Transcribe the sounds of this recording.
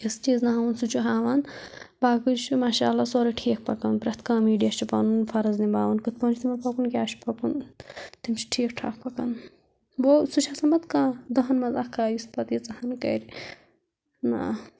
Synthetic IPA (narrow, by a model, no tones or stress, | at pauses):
ist͡ʃiːznɐɦaʋɐnsut͡ʃʰuɦaːʋanbaːkɨt͡ʃʰimaːʃa̰ːlːasoːɾiʈʰeːk̚pɐkɐnpɾɐt̪kaːmiːɖijɐʃt͡ʃʰipɐnunfɐɾɐznibaːʋɐnkɨt̪̚pɐnt͡ʃit̪ʰimɐpɐkunkʲjaːʃʰi̥pʰɐpunt̪imt͡ʃʰi̥ʈʰiːkʈʰa̰ːkpɐkɐn | boːsut͡ʃʰɐsɐmbɐt̪kãːd̪ɐɦɐnmɐzakkaːjispɐt̪jit͡sɐhɐnkɐ̰ɾ | na̰